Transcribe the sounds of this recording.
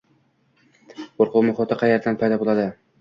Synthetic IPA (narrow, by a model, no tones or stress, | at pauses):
qoɾqʊwmʊχɒt̪ʰɪqʰɑjːeɾd̪anpʰajd̪ɒbolˠad̪ɪ